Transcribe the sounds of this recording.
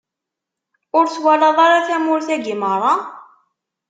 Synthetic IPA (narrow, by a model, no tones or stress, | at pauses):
ʊɾt͡swælɑðˤɑɾaθæmʊɾθæɡiməɾˤɑ